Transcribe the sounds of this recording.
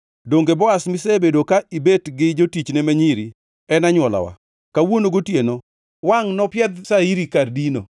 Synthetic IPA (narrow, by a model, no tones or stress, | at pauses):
doŋɡebɔasmɪsebedokaʔibetɡɪd͡ʒotit͡ʃnemaɲiɾi | ɛnaɲwɔla̰wa̰ | kawonoɡotjeno | waŋnɔpjɛd̪saiɾikardino̰